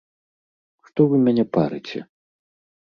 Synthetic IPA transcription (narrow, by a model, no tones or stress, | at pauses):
ʂt̪ɔvɨmʲanʲɛpa̰ɾɨ̰t͡sʲɛ̰